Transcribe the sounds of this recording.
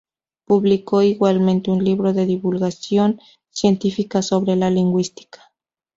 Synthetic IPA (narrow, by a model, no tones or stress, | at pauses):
puβlikoiɣwalmẽnt̪eunliβɾoðeðiβulɣasjon | sjent̪ifikasoβɾelaliŋɡwist̪i̥kḁ